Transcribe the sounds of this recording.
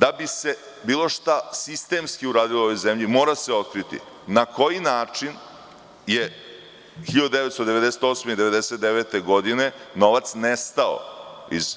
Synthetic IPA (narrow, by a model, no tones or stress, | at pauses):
d̪abise̞ | biːlˠo̞ʃt̪asist̪e̞mskiuɾaːd̪iloʋo̞jzemʎimo̞ːɾaseo̞t̪̚kɾit̪ḭ | nako̞jinaːt͡ʂin | je̞ | xiʎad̪d̪eet̪st̪od̪e̞ʋe̞d̪ese̥t̪osmeid̪eʋe̞d̪eset̪̚d̪eʋet̪e̞ɡo̞d̪ine̞no̞ʋat̪snest̪ao̰ | ḭz̥